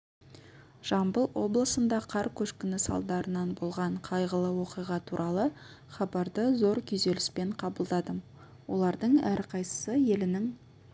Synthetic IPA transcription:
ʒ̥ɑmbəlˠwo̞blˠəsənd̪ɑqʰɑɾkʲʰɵʃkʲɪnɪsɑ̰lˠd̪ɑɾənɑnbolˠʁɑɴqʰɑjʁəlˠəwo̞qijʁɑt̪ʰuɾʔɑlˠə | χɑbɑɾd̪əzo̞ɾkʲʰʏze̞lɪspe̞ɴqʰɑbəlˠd̪ɑd̪ə | wo̰lˠɑɾd̪əɴæɾqʰɑjsə̥səje̞lɪnɪŋ

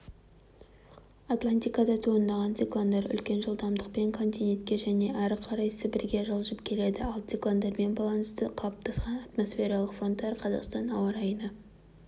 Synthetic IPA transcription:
at̪lˠanʲt̪ʲijkɑd̪ɑt̪ʰoənd̪ɑʁɑnt̪sʲiklˠand̪ɑɾʏ̰lkʲe̞nʒəlˠd̪ɑmd̪əq̚pe̞ŋkʰo̞nt̪ʲijne̞nt̪kʲe̞ʒæne̞ʔæɾəqʰɑɾɑjsəbɪɾɡʲe̞ʒəlˠʒəpkʲʰe̞le̞d̪ɪɑlˠt̪iklˠand̪ɑɾme̞nbɑlˠɑnəst̪əqʰɑp̚t̪ʰɑsqɑnɑt̪mo̞sfʲe̞ɾɑlˠəqfro̞nt̪ːɑɾqʰɑzɑ̰qst̪ɑnɑwɑɾɑjənə

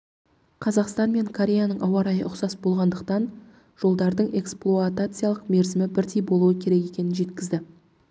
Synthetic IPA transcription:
qʰɑzɑqst̪ɑnme̞ŋkʰoɾʲe̞janəɴʔɑwɑɾɑjə̰ʔʊqsɑsbo̞lˠʁɑnd̪əq̚t̪ɑn | ʒ̥o̞lˠd̪ɑɾd̪əɴe̞ksplˠoat̪at̪sɨjalˠəqme̞ɾzɪmɪbɪɾt̪ʰijbo̞lˠuəkʲʰe̞ɾe̞ke̞kʲe̞nɪnʒe̞t̪kʲɪzd̪ɪ

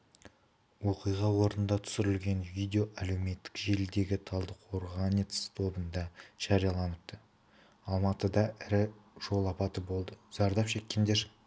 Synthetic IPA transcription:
wo̞qijʁɑwo̞ɾnənd̪ɑt̪ʰʏ̥sɪɾɪlɡʲe̞nvijd̪ʲeo̞ʔæle̞wme̞t̪ːɪ̥kʒe̞ld̪e̞ɡʲɪt̪ʰɑlˠd̪əqʰwo̞ɾʁɑnit̪st̪ʰo̞bənd̪ɑʒ̥ɑɾijɑlˠɑnʊt̪ːə | ɑlˠmɑt̪əd̪ɑʔɪɾɪʒ̥o̞lˠɑpɑt̪əbo̞lˠd̪əz̥ɑɾd̪ɑpʃe̞kʲːe̞nd̪e̞ɾ

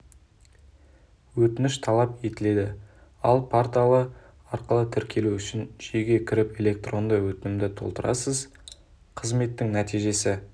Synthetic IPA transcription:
wɵt̪ɪnɪʃt̪ʰɑlˠɑpe̞t̪ɪle̞d̪ɪ | ɑlˠpʰaɾt̪alˠə | ɑɾqəlˠət̪ʰɪɾkʲʰe̞luʏʃɪnʒeɡʲe̞kʲʰɪɾɪpe̞lʲe̞k̚t̪ro̞nd̪əwɵt̪ɪnɪmd̪ɪt̪ʰo̞lˠt̪əɾʔɑ̰səz | qʰəzme̞t̪ːɪŋnæt̪ijʒe̞sɪ

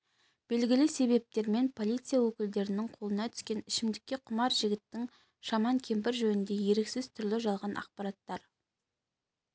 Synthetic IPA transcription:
b̥e̞lɡʲɪlɪse̞βe̞p̚t̪e̞ɾme̞npʰo̞lˠijt̪sɨjawɵkʲɪld̪e̞ɾɪnɪŋqʰo̞lˠənɑt̪ʰʏ̥skʲe̞nɪʃɪmd̪ɪkʲːe̞qʰʊmɑɾʒɪɡʲɪt̪ːɪŋ | ʃɑmɑŋkʲʰe̞mpɪɾʒɵnɪnd̪e̞je̞ɾeksɪz̥t̪ʰʏɾlɪʒɑlˠʁɑnʔɑ̰qpɑɾɑt̪ːɑɾ

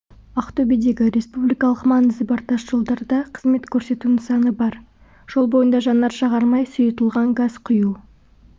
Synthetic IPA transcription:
ɑqt̪obid̪e̞ɡʲɪɾe̞spublijkɑlˠəqmɑnəzɪbɑɾt̪ɑʃʒ̥o̞lˠd̪ɑɾd̪ɑqʰə̥zme̞t̪kʲʰɵɾse̞t̪unɪŋsɑnəbɑɾ | ʒ̥olˠbo̞jənd̪ɑʒɑnːɑɾʃɑʁɑɾmɑjsʊjət̪əlˠʁɑŋɡɑz̥qʰʊju

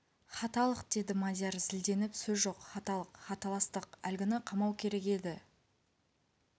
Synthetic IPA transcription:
χɑt̪ɑlˠəqd̪e̞d̪ɪmɑd̪ʲjɑɾzɪld̪e̞nɪpsɵzʒo̞qχɑt̪ɑlˠəqχɑt̪ɑlˠɑst̪əqælɡʲɪnɪqʰɑmɑwkʲʰe̞ɾe̞ke̞d̪ɪ

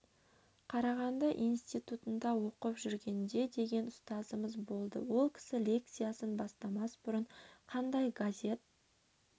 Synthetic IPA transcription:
qʰɑɾɑʁɑnd̪ɑʔijnst̪ijt̪ut̪ənd̪ɑwo̞qəpʒʏɾɡʲe̞nd̪e̞d̪e̞ɡʲe̞nʊst̪ɑzəməzbo̞lˠd̪ə̰wo̞lˠkʲʰɪ̥sɪlʲe̞k̚t̪sɨjasənbɑst̪ɑmɑsbʊɾəɴqʰɑnd̪ɑjɡazʲe̞t̪̚

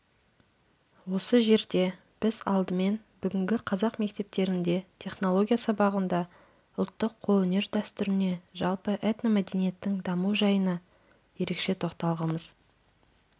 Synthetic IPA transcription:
wo̞səʒe̞ɾd̪e̞ | b̥ɪzɑ̰lˠd̪əme̞nbʏɡʲɪŋɡʲɪqʰɑzɑqme̞k̚t̪e̞p̚t̪e̞ɾɪnd̪e̞t̪ʲʰe̞χno̞lˠo̞ɡʲijasɑbɑʁənd̪ɑ | ʊlˠt̪ːəqʰːolˠɵne̞ɾd̪æst̪ʏɾɪne̞ʒɑlˠpəʔet̪namæd̪e̞nije̞t̪ːɪŋd̪ɑmuʒɑjənɑ | je̞ɾe̞kʃe̞t̪ʰo̞qt̪ɑlˠʁəməz̥

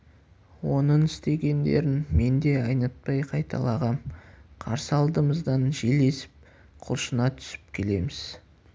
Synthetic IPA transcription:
wo̞nəɴɪst̪e̞ɡʲe̞nd̪e̞̰ɾɪnme̞nd̪e̞ɑjnɑt̪̚pɑjqʰɑjt̪ʰɑ̰lˠɑʁɑmqʰɑ̰ɾsəɑlˠd̪əməzd̪ɑnʒele̞sɪ̥p̚ | qʰʊ̰lˠʃənɑt̪ʰʏ̥sɪ̥p̚kʲʰe̞le̞mɪz̥

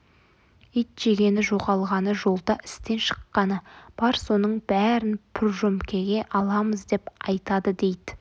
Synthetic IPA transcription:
ijt̪ʒ̥e̞ɡʲe̞nɪʒo̞ʁɑlˠʁɑnəʒo̞lˠd̪ɑʔɪ̥st̪e̞nʃə̥qːɑnəb̥ɑɾso̞nəɴbæɾɪnpʰɪɾʒɵmkʲe̞ɡʲe̞ʔɑlˠɑməzd̪e̞pɑjt̪ɑd̪əd̪e̞jd̪ɪ

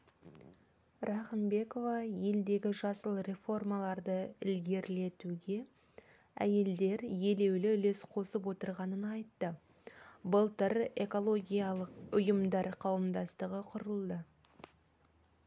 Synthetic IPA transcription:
rɑχəmbe̞ko̞vɑje̞ld̪e̞ɡʲɪʒɑsəlˠɾe̞fo̞rmɑlˠɑɾd̪əɪlɡʲe̞ɾle̞t̪uɡʲe̞ | æ̰je̞ld̪e̞ɾje̞le̞wlɪʏle̞sqʰo̞səpwo̞t̪əɾʁɑnənɑjt̪ːə | bəlˠt̪əɾe̞̰ko̞lˠo̞ɡʲijɑlˠəqʊjəmd̪ɑɾqʰɑwəmd̪ɑst̪əʁəqʰʊɾəlˠd̪ə

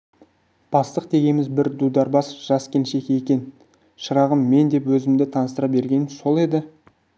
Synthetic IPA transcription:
b̥ɑst̪əq̚d̪e̞ɡʲe̞mɪzbɪɾd̪ud̪ɑɾbɑsʒ̥ɑskʲʰe̞nʃe̞kʲe̞kʲe̞n | ʃəɾɑʁəmːe̞nd̪e̞pwɵzɪmd̪ɪt̪ʰɑnəst̪əɾɑp̚be̞ɾɡʲe̞nso̞lˠe̞d̪ɪ

